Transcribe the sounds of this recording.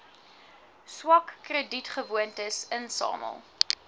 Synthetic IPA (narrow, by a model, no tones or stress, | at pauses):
swɐkːrəditχəvuəntəsənsɑ̰ːmə̰lˠ